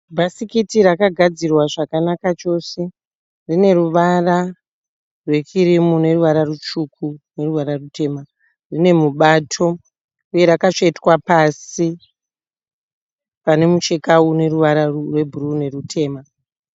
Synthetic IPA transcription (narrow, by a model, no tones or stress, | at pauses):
bʱasikitiɾakaɡʱad͡zirwaʐakanakat͡ʃo̞se̞ | rine̞ɾuʋara | rwe̞t͡ʃiɾimune̞ruʋaɾarut͡ʃukune̞ruʋaɾarutʰe̞ːma | rine̞muɓatʰo̞ | uje̞ɾakat͡ʂoitwapasi | pane̞mut͡ʃe̞kaune̞ruʋaɾaurwebʱuɾune̞rutʰe̞ːma